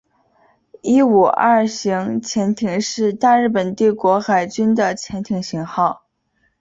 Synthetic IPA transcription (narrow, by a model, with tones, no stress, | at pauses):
i˥u˨˩ʔa̰˥˩ɕi˧˥ŋt͡ɕʰjɛ˧˥nt̪ʰi˧˥ŋʂɻ̩˥˧t̪a˥˧ɻɻ̩˥˩pə˨˩nt̪i˥˩kwɔ˧˥xa˨˩ɪt͡ɕy˥nd̪ə˨t͡ɕʰjɛ˧˥nt̪ʰi˧˥ŋɕi˧˥ŋxɑ˥˩ʊ